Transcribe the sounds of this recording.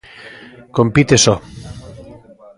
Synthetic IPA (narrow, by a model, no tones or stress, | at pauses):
kompit̪esɔ